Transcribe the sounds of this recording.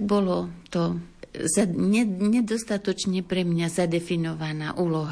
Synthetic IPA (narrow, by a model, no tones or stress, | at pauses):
ɡ̚bɔlɔt̪ɔzaɲɛɲɛd̪ɔst̪at̪ɔt͡ʃɲɛpɾɛmɲazad̪ɛfinɔʋanaːʔuːlɔɦ